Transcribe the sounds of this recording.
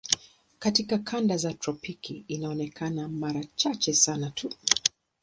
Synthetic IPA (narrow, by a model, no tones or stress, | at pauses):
katikakʰandazatɾɔpikiːnaɔnɛkʰanamaɾat͡ʃat͡ʃɛsanatʰu